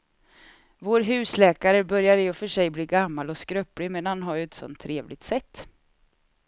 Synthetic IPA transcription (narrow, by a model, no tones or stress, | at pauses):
voːɾɦʉ̟ːslɛːkaɾəbœɾjad̪əjɵfœʂɛjbliːɡamːalɔskɾœpːlɪmɛnanɦaɾjɛt̪sɔ̰nt̪ʰːɾeːvlʔɪɡt̪sɛt̪ː